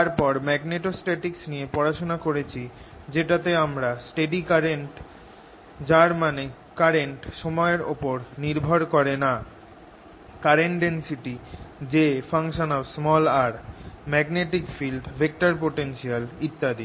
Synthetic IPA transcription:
aɾpɔɾmɛɡneʈosʈeʈiksnijepɔɾaʃonakoɾet͡ɕʰi | d͡ʑeʈat̪eamɾasʈeɖikaɾenʈ | d͡ʑaɾmane | kaɾeɳʈʃɔmɔeɾopoɾniɾbʱoɾkoɾena | kaɾeɳʈensiʈid͡ʑefʰaŋʃonɔbsmɔlaɾmɛɡneʈikfilɖbʱek̚ʈaɾp̬oʈenʃialit̪ːad̪i

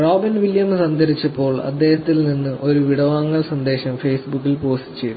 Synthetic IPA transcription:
roːbinʋiljɐmsɐnd̪ʱɐɾit͡ɕːɐpːo̞ːɭɐ̰d̪ːe̞ːhɐt̪ːilninːɨʔo̞ɾuʋiɽɐʋaːŋːɐɭsɐnd̪e̞ːɕɐmfeːsbukːilpo̞ːstɨt͡ɕːe̞jt̪ː

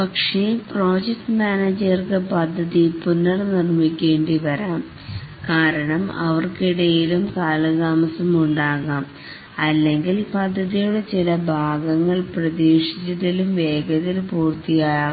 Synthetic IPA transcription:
pɐkʂepro̞ːd͡ʑek̚ʈmaːneːd͡ʑɐrkɨpɐd̪ʱːɐðipunːɐrnirmikʲːe̞ːɳɖiʋɐɾaːm | kaːɾɐɳɐmɐ̰ʋɐrkiɽɐjilumkaːlɐɣaːmɐsɐmuɳɖaːɣaːm | ɐlːe̞ŋɡilpɐd̪ʱːɐðijuɽet͡ɕilɐbʱaːɡɐŋːɐɭprɐðeːʂi̥t͡ɕːɐðilumʋeːɡɐðilpuːrt̪ːijaːjaː

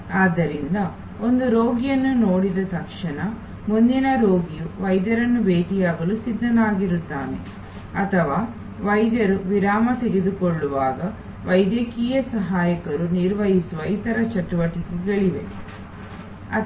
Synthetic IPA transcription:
aːd̪ːɐɾind̪ɐ | o̞nd̪uɾoːɡijɐnːunoːɽid̪ɐt̪ɐkʂɐɳɐ | mund̪inɐɾoːɡijuʋɐjd̪jɐɾɐnːubeːʈijaːɡɐlusid̪ːɐnaːɡiɾut̪ːaːne̞̰ | ɐt̪ʰɐʋaː | ʋɐjd̪jɐɾuʋiɾaːmɐt̪eɡed̪ukoɭːuʋaːɡɐ | ʋɐjd̪jɐkiːjɐsɐɦaːjɐkɐɾuniɾʋɐɦisuʋɐit̪ɐɾɐt͡ʃɐʈːuʋɐʈikeɡeɭiʋe̞̰ | ɐ

